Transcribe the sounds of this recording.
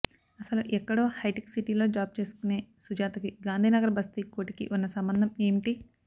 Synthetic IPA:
ɐsɐluʔɛkːɐɽoːhɐjʈiksiʈilo̞ːd͡ʒaːb̚t͡ʃe̞ːsu̥kune̞ːsud͡ʒaːt̪ɐkiɡaːnd̪ʱiːnɐɡɐɾɐbɐst̪ikoːʈikḭʔunːɐsɐmbɐnd̪ʱɐme̞ːmiʈi

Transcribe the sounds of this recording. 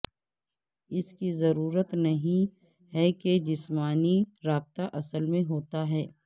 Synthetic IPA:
ɪskizɐɾuːɾət̪nɐɦĩ | ɦɛked͡ʒɪsmaːniɾaːb̚t̪aʔɐsəlmẽɦoːt̪aɦɛː

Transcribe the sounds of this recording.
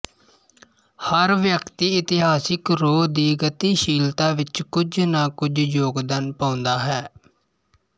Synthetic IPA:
həɾʋjəkt̪iːɪt̪ɪɦaːsɪkɾoːd̪iːɡət̪iːʃiːlt̪aːʋɪt͡ʃkʊd͡ʒnãːkʊd͡ʒjoːɡd̪aːnpãːʊnd̪aːɦɛː

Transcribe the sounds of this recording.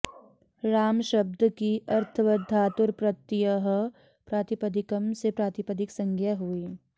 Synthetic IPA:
ɾaːmʃɐb̚d̪ʱkiɐɾt̪ʰəʋɐd̪ʱːaːt̪ʊɾpɾɐt̪jəɦ | pɾaːt̪ɪpəd̪ɪkəmsepɾaːt̪ɪpəd̪ɪksɐ̃ŋɡjaɦuiː

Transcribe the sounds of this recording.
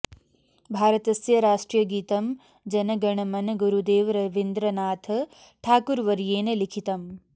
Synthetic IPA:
bʱaːɾɐt̪ɐsjɐɾaːʂʈɾijɐɡiːt̪ɐm | d͡ʒɐnɐɡɐɳɐmɐnɡuɾud̪eːʋɾɐʋind̪ɾɐnaːt̪ʰɐ | ʈʰaːkuɾʋɐɾjeːnelikʰit̪ɐm

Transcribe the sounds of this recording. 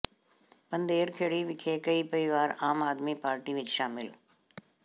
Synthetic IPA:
pɐ̃nd̪eːɾkʰeːɽiʋɪkʰekɐipɐɪʋaːɾaːmaːd̪mipaːɾʈiʋɪt͡ʃʃaːmɪl

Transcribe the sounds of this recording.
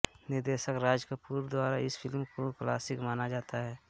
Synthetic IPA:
nɪɾd̪eːʃəkɾaːd͡ʒkapuːɾd̪waːɾaɪsfʰɪlmkoklaːsɪkmaːnad͡ʒaːt̪aɦɛː

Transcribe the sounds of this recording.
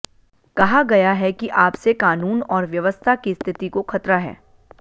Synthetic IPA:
kɐɦaɡɐjaɦɛkiʔaːpsekaːnuːnɔːɾʋjɐʋəst̪ʰakist̪ʰɪt̪ikoxʰɐt̪ɾaɦɛ̰ː

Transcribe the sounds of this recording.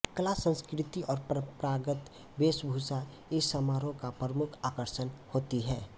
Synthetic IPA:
kəlasə̃nskɾɪt̪iʔɔːɾppɾaːɡət̪ | beːsbʱusa | ɪsːəmaːɾõkapɾəmʊkʰaːkəɾʃənhoːt̪iɦɛː

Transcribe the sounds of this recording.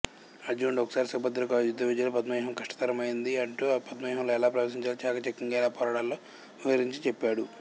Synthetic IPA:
ɐɾd͡ʒuːɳɖɔkːɐ̥saːɾisɐbɐd̪ːɐlɐkjud̪ɐʋid͡ʒɐlopɐd̪mɐjɦɐmkɐʂʈɐ̥t̪ɐɾɐmɐjind̪iɐɳʈupɐd̪mɐjɦɐmloːɛlaːpɾɐʋɐs̬iɲt͡ʃaːlit͡ʃaːkat͡ʃekːiŋɡɐlaːpɔːɾaːɽaːlːoː | uɦɐɾiɲt͡ʃit͡ʃepːaːɽu

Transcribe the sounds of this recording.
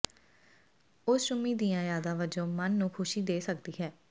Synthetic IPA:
ʊsʃʊmiːd̪ijãːjaːd̪ãːʋəd͡ʒõːmənːũːkʰʊʃiːd̪eːsəkd̪iːɦɛː

